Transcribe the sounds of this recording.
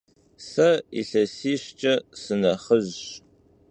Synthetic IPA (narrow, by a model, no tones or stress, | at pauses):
sɐḭɬɐsiːɕt͡ʃʼɐsɨnɐχəʑ